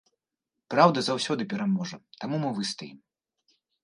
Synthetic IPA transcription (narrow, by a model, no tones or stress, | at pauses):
pɾawd̪ɐzawsʲɔd̪ɨpʲɛɾamɔʐɐt̪amumɨvɨst̪ajim